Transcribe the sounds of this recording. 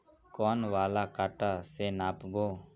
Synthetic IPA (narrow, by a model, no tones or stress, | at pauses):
kɔːnʋaːlaːkaːʈaːsenaːpboː